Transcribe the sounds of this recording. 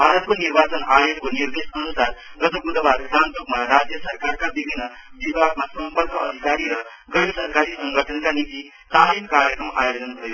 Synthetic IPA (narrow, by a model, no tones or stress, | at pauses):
bʱaɾət̪ʋəniɾbat͡sənajokʋəniɾd̪eʂənusaɾɡət̪əɡud̪əbad̪ɡant̪uɡmaɾad͡zjəsəɾkaɾkabibʱinːə | ʋibʱaɡ̚masə̃mpəɾkəːd̪ʱikaɾiɾa | ɡəɽisəɾkaɾiːsəŋɡʱəʈʰənkanit̪i | t̪alimkaɾjəkɾəma̰jod͡zənkɾəjo